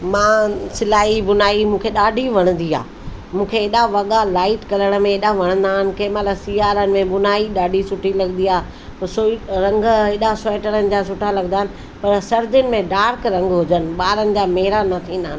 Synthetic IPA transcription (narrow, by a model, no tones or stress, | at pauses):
mãːsɪlaːibʊnaːimũːkʰeɗaːɖʱiʋɐɽ̃ə̃nd̪ia̰ː | mũːkʰeːɗaʋɐɠalaːɪʈkɐləɽ̃əmẽeːɗaʋɐɽ̃ə̃nd̪aːɦɪnɪ̆kẽːmaləsiːaːɾənɪ̆mẽɓʊnaːiɗaːɖʱisʊʈʰilɐɡənd̪iaː | soɾɐ̃ŋɡeːɗasoːɪʈəɾənɪ̆d͡ʑaːsʊʈʰalɐɡənd̪aːɦɪ̃̆nɪ̆ | pɐɾsɐɾd͡ʑʊnɪ̆mẽɖaːɾkɾɐ̃ŋɡɦʊd͡ʑənɪ̆ɓaːɾənɪ̆d͡ʑaːmeɦɪɾanɐt̪ʰĩːnd̪aɦnɪ